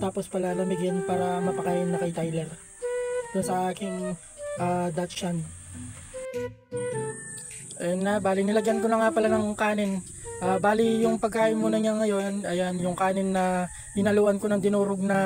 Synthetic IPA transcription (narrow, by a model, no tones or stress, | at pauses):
t̪aːpo̞spɐlanɐbɪɡjanpaːɾɐmɐpɐkaʔɪnːɐkɐjt̪ajlɛɾ | d̪ʊnsɐʔaːkɪŋ | ʔaːd̪at̪t͡ʃan | ʔɛnːabaːlɪnɪlɐɡjankonɐŋapɐlanɐŋkaːnɪn | ʔaːbaːlijʊŋpɐɡ̚kaːʔɪnmunɐɲaŋɐjo̞nʔɐjanjʊŋkaːnɪnːɐ | hɪnɐluːʔɐnkonɐŋd̪ɪnuːɾoɡ̚nɐ